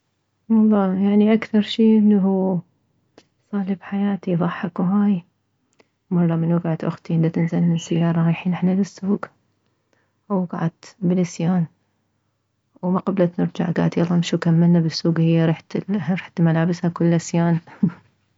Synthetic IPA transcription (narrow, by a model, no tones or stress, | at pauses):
wɑlˤːɑːjaʕniʔakθɑɾˤʃiːʔɪnːaɦu | sˤɑːlɪbħajaːt̪iðˤɑħːɑkwɦaːj | mɑrˤːɑmɪnwɪɡaʕat̪ʔʊ̰xt̪iʔɪnd̪at̪ɪnzalːɪnsajːɑːɾˤɑajħiːnɪħnalɪsːuːɡ | wɡaʕad̪bɪlʔasjaːn | wmaqɑblat̪nɪɾd͡ʒaʕɡa̰ːʕad̪jɑlˤɑmʃukamːɪlnabɪsːuːɡhɪjːaɾɑħt̪ɾɑħt̪malaːbɪshakʊlːʔasjaːn